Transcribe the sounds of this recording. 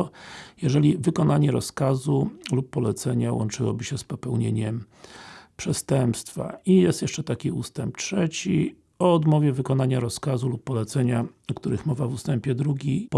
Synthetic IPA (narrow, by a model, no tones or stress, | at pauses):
jɛʐɛlʲivɘkɔnaɲɛɾɔ̰skazulupːɔlɛt̪sɛɲawɔ̰nt͡ʂɘwɔ̰bɘɕɛspɔpɛwɲeɲɛm | pʂɛst̪ɛmpst̪fa̰ijɛst̪jɛʂt͡ʂɛt̪akʲiust̪ɛmp̚tʂɛt͡ɕi | ɔɔd̪mɔvʲjɛvɘkɔnaɲaɾɔskazulupːɔlɛt̪sɛɲaɔkt̪uɾɘxmɔvavust̪ɛmpʲjɛd̪ɾuɡʲip